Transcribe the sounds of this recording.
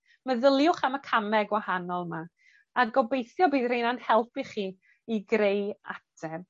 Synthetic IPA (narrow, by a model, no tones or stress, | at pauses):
məðəlˠjʊχaməkʰamɛɡwahanɔlˠma | adɡɔbejθjɔbiːdrejnan̥hɛlˠpʰiχiː | iɡɾejatʰɛb̥̚